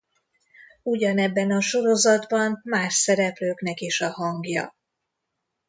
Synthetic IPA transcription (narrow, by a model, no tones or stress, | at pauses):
uɟɒnɛbːɛnɒʃo̞ɾo̞zɒd̪bɒnmaːʃsɛɾɛpløːknɛkeːʃɒɦɒŋɡjɒ̰